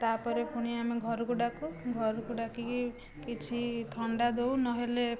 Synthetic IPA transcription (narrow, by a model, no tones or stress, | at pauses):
t̪apɔɾepuɽ̃iamiɡʱɔɾukuɖakuɡʱɔɾukuɖaki | kit͡ʃʰit̪ʰɔɳɖad̪ewnɔɦele